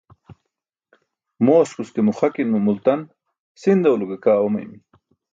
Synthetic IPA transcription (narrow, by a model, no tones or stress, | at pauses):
moːskuskemuχakinmumult̪an | sind̪aulukekaːomɐ̰jm